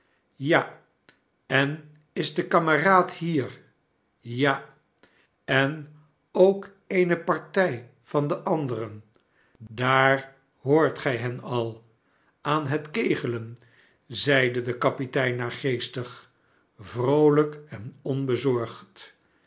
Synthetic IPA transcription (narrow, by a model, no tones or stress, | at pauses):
ja | ɛn | ɪzdəkɑməraːthiːɹ | ja | ɛn | owk | ejnəpɑɹtɛj | fɑndəʔɑndərən | daːɹ | ɦoːɹtχɛjɦɛnɑlˠ | aːnɦətkejχələn | zɛjdədəkɑpitɛjnːaːɹχejstəχ | vrowləkɛnɔnbəzɔɹχt